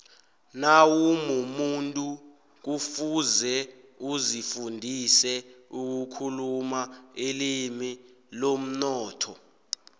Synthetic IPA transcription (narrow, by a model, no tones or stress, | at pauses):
nawumumuntʼu | k̬ufuzɛ | uzifundʱisɛuk̬ukʰulumaelimilom̩nɔːtʰɔ